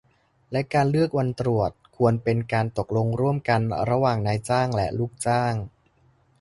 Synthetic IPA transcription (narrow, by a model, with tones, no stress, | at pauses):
lɛ˦˥kaː˧nlɯ˥˩ək̚wa˧nt̪ɾu˨˩ət̪̚kʰu˧ənpe˧nkaː˧nt̪o˨˩k̚lo˧ŋɾu˥˩əmka˧nɾa˧waː˨˩ŋnaː˧jt͡ɕaː˥˩ŋlɛ˦˥ʔluː˥˩k̚t͡ɕaː˥˩ŋ